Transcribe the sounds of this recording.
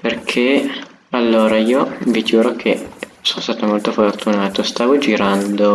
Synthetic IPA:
perkʰe | alːoːɾaiːovikjuːɾokʰesonost̪aːt̪omolt̪ofort̪unaːt̪ost̪aːvod͡ʒiɾand̪o

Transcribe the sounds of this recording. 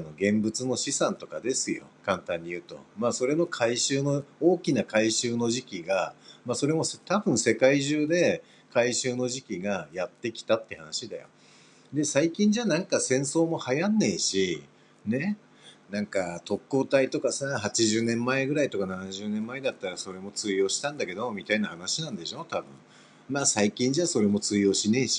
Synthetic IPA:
no̞ɡẽ̞mbɯ̟t͡sɨno̞ɕisãnt̪o̞kad̪e̞sɨjo̞̰kãnt̪ãɲ̟ːijɯ̟ːt̪o̞̰maːso̞ɾe̞no̞kʰaiɕɨːno̞oːkʲinakaiɕɨːno̞ʑikʲiɡamaso̞ɾe̞mo̞st̪abɯ̟̃ɰ̃se̞kaiʑɨːd̪e̞ | kaiɕɨːno̞ʑikʲiɡajat̪ːe̞kʲi̥t̪at̪ːeha̰naɕid̪a̰jo̞̰ | d̪e̞saikʲĩɲ̟d͡ʑanãŋkasẽ̞ɰ̃so̞ːmo̞hajanːeiɕi | ne̞ | nãŋkat̪o̞kːo̞ːt̪ait̪o̞kasaɦat͡ɕiʑɨːnẽ̞mːaeɡɯ̟ɾait̪o̞kananaʑɨːnẽ̞mːaed̪at̪ːaɾaso̞ɾe̞mo̞t͡sɨijo̞ːɕi̥t̪ãnd̪ake̞d̪o̞momʲit̪ainahanaɕinãnd̪e̞ɕo̞t̪abɯ̟̰̃ɴ | maːsaikʲĩɲ̟d͡ʑaso̞ɾe̞mo̞t͡sɨijo̞ːɕineiɕi̥

